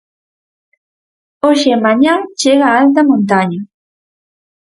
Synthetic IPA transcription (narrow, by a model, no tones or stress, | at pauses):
oʃemaɲat͡ʃeɣaalt̪̬amõnt̪aɲa